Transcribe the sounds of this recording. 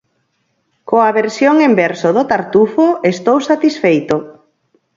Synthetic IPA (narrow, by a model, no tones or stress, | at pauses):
koaβeɾsjoŋimbɛɾsoðot̪aɾt̪ufoest̪owsat̪isfejt̪o